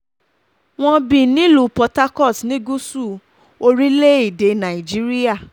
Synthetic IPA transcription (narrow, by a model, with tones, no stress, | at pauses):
w̃ɔ̃˧bĩ˨nĩ˨˦lu˨pɔ˧ta˦kɔ˦˨snĩ˦ɡu˦su˦˨ | o˧ɾi˦le˦i˦˨de˧nã˨i˨d͡ʒi˦ɾi˦a˦˨